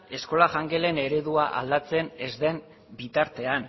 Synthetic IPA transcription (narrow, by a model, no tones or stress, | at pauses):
e̞sko̞laʝaŋɡe̞le̞ne̞ɾe̞ðuaʔa̰ld̪at͡se̞ne̞zd̪e̞n | bit̪aɾt̪e̞an